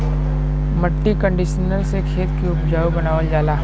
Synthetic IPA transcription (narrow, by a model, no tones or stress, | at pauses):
mɐʈːikə̃ɳɖiʃənəlsekʰeːt̪kiʊpd͡ʒaːubɐnaːʋəld͡ʒaːlaː